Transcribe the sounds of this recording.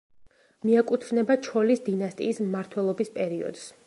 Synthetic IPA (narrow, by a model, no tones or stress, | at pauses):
miakʼut̪ʰvnɛbat͡ʃʰɔlisd̪inast̪ʼḭːsmaɾt̪ʰwɛlˠɔbispʼɛɾiɔ̰d̪̥s